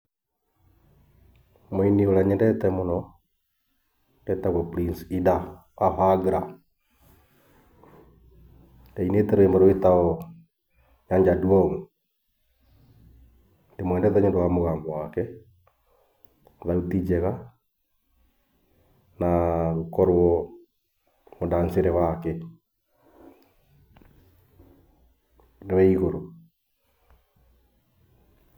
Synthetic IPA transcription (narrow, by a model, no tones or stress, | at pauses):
moinioɾaɲɛndɛtɛmonɔ | ndɛtaɣɔpɾinsida | wahaɡɾa | ndainetɛɾoembaɾoetaɔ | ɲaɲd͡ʒadwɔŋ | ndemwɛːndɛðaɲendowamoɣaːmbɔwakɛ | ðautid͡ʒɛɣa | naɣokɔɾwɔ | modanseɾɛwakɛ | newɛiɣoɾo